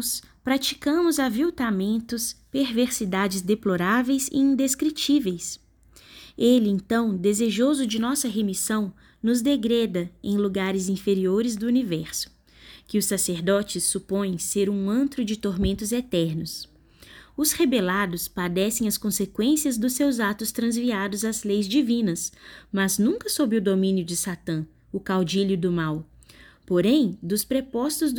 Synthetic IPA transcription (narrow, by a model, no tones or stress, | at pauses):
spɾat͡ʃi̥kɐ̃mʊzɐaviwt̪amẽnt̪ʊspeɾveɾsid̪ad͡ʒɪzd̪eploɾavejzɪ̰ĩnd̪eskɾit͡ʃivejs | elɪẽt̪ɐ̃w̃d̪ezeʒozʊd͡ʒɪnɔsɐɦemisɐ̃w̃ | nʊzd̪eɡɾɛd̪ɐẽj̃luɡaɾɪzĩfeɾioɾɪzd̪ʊunivɛɾsʊ̥ | kɪʊsaseɾd̪ɔt͡ʃɪsːupõj̃seɾũɐ̃nt̪ɾʊd͡ʒɪt̪oɾmẽnt̪ʊzet̪ɛɾnʊs | ʊshebelad̪ʊspad̪ɛsẽj̃ɐskõsekwẽsiɐzd̪ʊsewzat̪ʊst̪ɾɐ̃zviad̪ʊzɐzlejzd͡ʒivĩnɐsmɐznũkɐsobɾɪʊd̪omĩnjʊd͡ʒɪsat̪ɐ̃ | ʊkawd͡ʒiʎjʊd̪ʊmaw | poɾẽj̃d̪ʊspɾepɔst̪ʊz